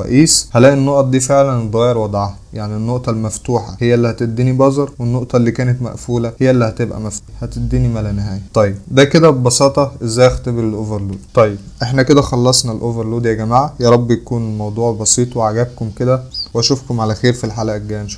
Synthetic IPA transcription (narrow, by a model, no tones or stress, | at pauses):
ɑ̰ʔiːshælæːʔenːoʔt̪ˤd̪iːfeʕlænd̪ɣæːjeɾwɑd̪ˤʕahæjaʕninːoʔt̪ˤɑlmæft̪uːħæhejːæʔelːihæt̪ed̪ːiːnibɑzˤɑɾˤwenːoʔt̪ˤɑlːiːkæːnet̪mæ̰ʔfuːlæhejːæʔelːihæt̪ebʔæ̰mæft̪ːuhæt̪ed̪ːiːnimælænehæːjæt̪ˤɑjːed̪æked̪æbɑsɑːt̪ˤɑʔezːæjxt̪eblelʔoveɾluːd̪t̪ˤɑjːeb̚ʔeħnæked̪æxɑlːɑsˤnɑlʔoveɾˤluːd̪jæɡæmaːʕajɑːɾˤɑbːjækuːnelmɑwd̪ˤuːʕbɑsiːt̪ˤweʕaɡæb̚komked̪æwæʃofkomʕalæxeːɾfilħalæʔæɡæːænʃ